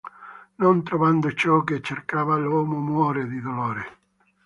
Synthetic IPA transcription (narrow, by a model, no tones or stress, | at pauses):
nont̪ɾovand̪ot͡ʃɔket͡ʃːerkaːvalɔːmomwwɔːɾed̪id̪olɔːɾe